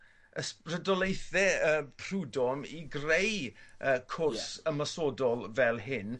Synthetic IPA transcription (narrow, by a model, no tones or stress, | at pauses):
əsrədɔlˠejθɛəːpʰrudɔmiɡrejʔəːkʰʊrsəmɔsɔdɔlˠvɛlˠɦɪn